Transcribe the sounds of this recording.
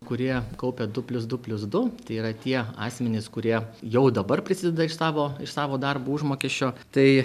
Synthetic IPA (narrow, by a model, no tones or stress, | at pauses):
kʊɾʲiɛkɐʊpʲɛd̪ʊpʲlʲʊs̬d̪ʊpʲlʲʊsd̪ʊt̪ɐɪiːɾɐt̪ʲiɛɑ̰ːsʲmʲɛnʲɪskʊɾʲiɛjɛʊd̪ɐbɐrpʲɾʲɪsʲɪːd̪ʲɛd̪ɐɪʃsɑːʋoːɪʃsɑːʋoːd̪ɐrbuːʊʒmoːkʲɛʃʲt͡ʃʲoːt̪ɐɪ